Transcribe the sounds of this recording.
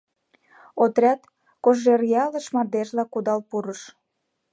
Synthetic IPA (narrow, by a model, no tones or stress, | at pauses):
ot̪ɾʲɑt̪ | koʒerjɑlə̆ʃmɑd̪eʃlɑkud̪ɑlpuɾəʃ